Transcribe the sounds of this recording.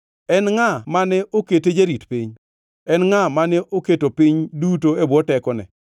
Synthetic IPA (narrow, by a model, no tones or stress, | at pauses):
ɛnŋamanɛʔoketed͡ʒeɾitpiɲ | ɛnŋamanɛʔoketopiɲdutoebɔtɛkɔnɛ̰